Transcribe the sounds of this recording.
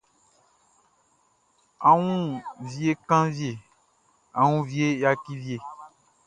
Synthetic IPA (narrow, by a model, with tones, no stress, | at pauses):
a˨wũ˦vi˨e˦kã˦vi˦e˨ | a˨wũ˦vi˨˦e˦ja˦ki˦vje˨